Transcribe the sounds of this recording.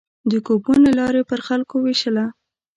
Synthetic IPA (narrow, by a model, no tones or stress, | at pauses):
d̪əkopunelɑɾepəɾxalkoweʃəla